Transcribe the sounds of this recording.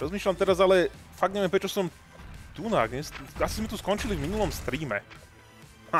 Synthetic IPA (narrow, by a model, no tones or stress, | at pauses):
ɾɔzmiːʃlamt̪ɛɾazalɛfaɡ̪̚ɲɛʋjɛmpɾɛt͡ʃasɔm | t̪unaːɡɲɛsasizmɛt̪uskɔnt͡ʃilivminulɔmst̪ɾiːmɛ̰